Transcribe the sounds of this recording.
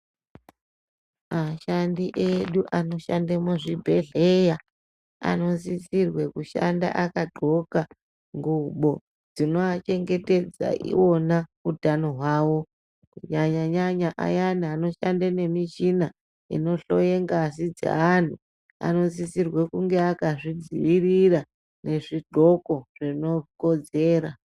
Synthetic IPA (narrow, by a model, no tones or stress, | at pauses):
maʃandiʔeɗuʔano̞ʃandemuʐibʱe̞ɮeja | a̰no̞zisirwe̞kuʃa̰nda̰ʔakaɡ͡ǃʱo̞ka | ŋɡuɓo̞ | d͡zino̞at͡ʃe̞ŋɡe̞te̞d͡za̰ʔḭwo̞naudʱano̞ɦwaːwo̞ | kuɲaɲaɲaɲaʔa̰janano̞ʃandane̞miʃina | ḭno̞ɬo̞̰jeŋɡasid͡za̰an̤u | a̰no̞zisirwe̞kuŋɡe̞akaʐid͡ziʋirira | ne̞ʐiɡ͡ǃʱo̞ko̞ʐ̥ino̞kod͡ze̞ːɾa